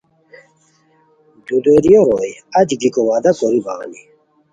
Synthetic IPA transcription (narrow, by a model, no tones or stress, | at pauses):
d̪ud̪eɾijoɾojɐd͡ʑiɡikowaːd̪akoɾiba̰ːni